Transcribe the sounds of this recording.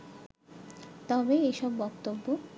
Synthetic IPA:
t̪ɔbeeʃɔbːɔk̚t̪obːo

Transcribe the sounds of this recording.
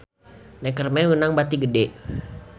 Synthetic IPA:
nɛkərmɛwunaŋbat̪iɡədɛ

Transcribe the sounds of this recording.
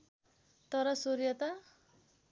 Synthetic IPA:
t̪ʌɾʌsoɾijʌt̪a

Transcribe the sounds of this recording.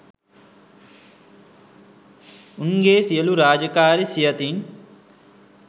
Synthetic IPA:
uŋɡeːsijɐluɾaːd͡ʒɐkaːɾisijɐt̪in

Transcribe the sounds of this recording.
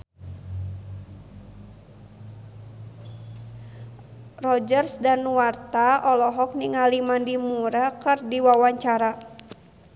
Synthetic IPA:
rɔd͡ʒərsdanuwart̪aɔlɔɦɔk̚niŋalimandimuɾakɨrdiwawaɲt͡ʃaɾa

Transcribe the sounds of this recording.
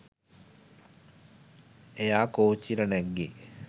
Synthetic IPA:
ejaːkoːt͡ɕːiɾɐneɡːi

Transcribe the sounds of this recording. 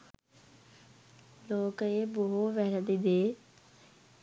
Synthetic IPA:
loːkeːboɦoʋɛɾəd̪id̪eː

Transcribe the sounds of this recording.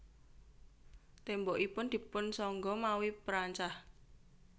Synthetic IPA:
t̪embɔʔipʊnd̪̥i̤pʊnsɔŋɡɔmawipəɾaɲt͡ʃah

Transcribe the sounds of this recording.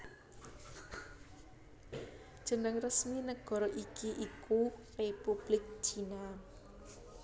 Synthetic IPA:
d̥ʒ̥ə̤nəŋrəsminəɡ̥ɔ̤ɾɔʔikʰiʔikurepub̥lɪk̚t͡ʃina

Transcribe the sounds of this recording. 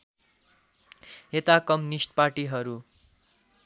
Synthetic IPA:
et̪akʌmjnisʈ̚parʈiɦʌɾu

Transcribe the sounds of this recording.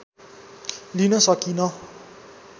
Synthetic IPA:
linɔsɔkinɔ

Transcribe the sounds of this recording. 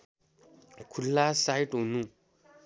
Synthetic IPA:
kʰulːasajʈɦunũ

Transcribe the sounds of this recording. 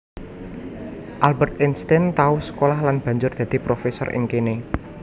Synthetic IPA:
ʔalbɛrt̪ɪnst̪ɪnt̪aʊhsə̥kolahlanb̥ä̤ɲd͡ʒʊrd̪̥ä̤d̪̥i̤pɾofesɔ̰rʔɪ̰ŋkene

